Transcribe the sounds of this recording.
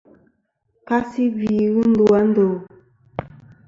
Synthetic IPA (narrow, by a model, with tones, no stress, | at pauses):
ka˦si˦bi˨ɣi˦n̩˦du˦a˦n̩˦do˨